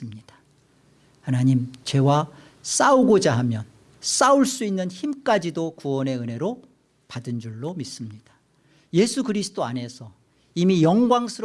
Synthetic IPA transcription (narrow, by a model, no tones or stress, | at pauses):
ɯmɲid̥ḁ | hanaɲimt͡ɕe̞wa | s͈auɡod͡ʑaɦamjʌn | s͈auɭs͈uinːɯnçimk͈ad͡ʑidokuʌne̞ɯne̞ɾo | padɯnd͡ʑuɭːomis͈ɯmɲid̥ḁ | je̞sʰukɯɾisʰɯ̥t͈oane̞sʰʌ | imijʌŋɡwaŋsʰɯɾ